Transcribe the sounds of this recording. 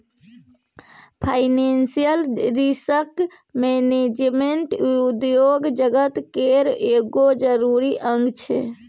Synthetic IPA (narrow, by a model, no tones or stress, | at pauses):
pʰaɪnensijəlɾisək | mened͡ʒmeɳʈd̪joɡd͡ʒəɡət̪keɾeɡod͡ʒəɾuɾiʔə̃ŋɡt͡ʃʰɛ̰